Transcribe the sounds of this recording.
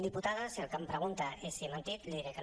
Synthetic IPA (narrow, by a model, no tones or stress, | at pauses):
d̪iput̪aðəsiəlˠkampɾəɣ̞unt̪aʔesiemənt̪it̪liðiɾekə